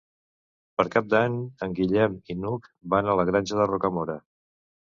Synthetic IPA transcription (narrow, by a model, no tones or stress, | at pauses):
pəɾkap̚d̪aɲəŋɡiʎɛminukbanələɣɾanʲʒəðərokəmoɾə